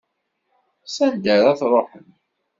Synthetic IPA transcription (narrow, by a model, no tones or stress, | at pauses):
sænd̪əɾæθɾˤoħən